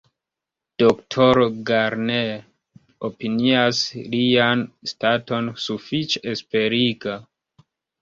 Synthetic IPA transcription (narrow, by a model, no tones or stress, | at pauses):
d̥oktʰoɾɡaɾne | opiniaslianstato̞nsufit͡ʃeespe̞ɾiɡa